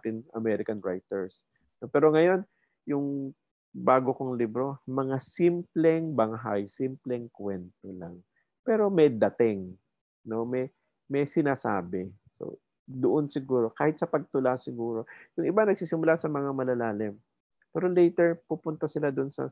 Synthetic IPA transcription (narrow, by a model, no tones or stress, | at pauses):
t̪ɪnɐmɛɾɪkɐnɹa̰jt̪ɛɹs | nopɛːɾo̞ŋɐjo̞n | jʊŋ | baːɡokoŋlibɾo̞mɐŋasimplɛŋbɐŋɦajsimplɛŋkwɛnt̪ola̰ŋ | pɛːɾo̞mɛjd̪ɐt̪ɪŋ | no̞mɛj | mɛjsɪnaːsa̰ːbɛ | so̰ | d̪ʊʔonsɪɡuːɾo̞kaːhɪt̪̚sɐpɐɡ̚t̪ʊlasɪɡuːɾo̞jʊŋʔɪbanɐɡ̚siːsɪmʊlasɐmɐŋamɐlɐlaːlɪm | pɛːɾo̞lɛjt̪ɛɹpupʊnt̪ɐsɪlad̪ʊonsɐ̰